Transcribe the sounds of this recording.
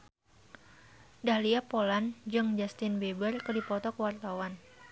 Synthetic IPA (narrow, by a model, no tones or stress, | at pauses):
dahliapoland͡ʒɨŋd͡ʒast̪ɪnbebərkədipɔt̪ɔkəwart̪awan